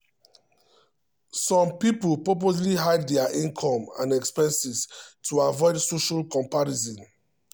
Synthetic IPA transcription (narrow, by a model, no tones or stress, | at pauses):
sɔ̃mpipulpɔp̬os̬liɦaɪddɛaʔĩnkʰɔ̃mã̰nɛkspɛ̃nsistʰuavɔɪdsoʃalkɔ̃mpaɹizɔ̃n